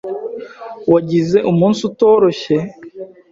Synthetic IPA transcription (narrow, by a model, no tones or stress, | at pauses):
waɟize̞ʔumuːnsuto̞ːɾo̞çe̞